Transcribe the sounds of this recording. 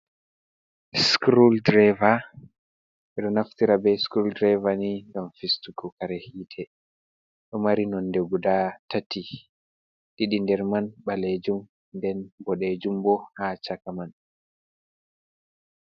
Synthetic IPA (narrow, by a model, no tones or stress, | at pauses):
skɾuldɾɛva | ɛɗɔnaftiɾabɛskɾuldɾɛvaniŋɡamfistukukaɾɛhiːtʰɛ | ɗɔmaɾinɔndɛɡudatati | ɗiɗindɛɾmanɓaled͡ʒum | ndɛnbɔɗed͡ʒumbɔhat͡ʃakaman